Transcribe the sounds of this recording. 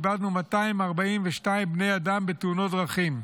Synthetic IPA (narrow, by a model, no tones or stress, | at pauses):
bad̪numataimaʁbaimveʃtaimbne̞jadambeteuno̞tʁaχim